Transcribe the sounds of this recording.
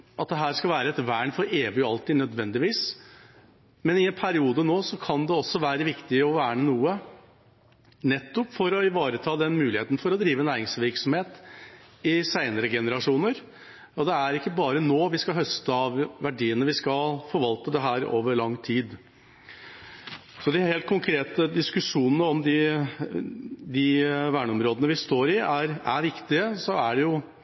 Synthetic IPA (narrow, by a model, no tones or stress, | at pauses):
ʔɑt̪̚d̪ɛɦæːɾskɑlʋæːɾəɛt̪ʋæːɳfɔɾeːʋɪɑlt̪ʰiːnœd̪ʋɛnd̪ɪʋiːs | mɛnɪɛnpʰæɾɪuːd̪ənoːsɔkʰɑnd̪ɛɔsːɔʋæːɾəʋɪkt̪ɪɔʋæːɳənuːə | nɛt̪ːɔpfɔɾɔɪʋɑːɾət̪ʰɑːd̪ɛnmʉːɪheːt̪n̩fɔɾɔd̪ɾiːʋənæːɾɪŋsʋɪɾksɔmheːt̪ | ɪsæɪnəɾəɡɛnəɾɑʂuːnəɾ | ɔd̪ɛæɾɪkːəbɑːɾənoːʋɪskɑɦœst̪əɑʋʋæɖiːənəʋɪskɑlfɔɾʋɑlt̪əd̪ɛɦæːɾo̰ːʋəɾɭɑŋːt̪ʰiːd̪ | sɔd̪ɪheːlt̪̚kʰʊŋkʰɾeːt̪əd̪ɪskʉʂuːnənəɔmd̪ɪ | d̪ɪʋæːɳəɔmɾoːd̪ənəʋɪst̪oːɾɪæɾæɾʋɪkt̪ɪəsɔæɖɛjʊ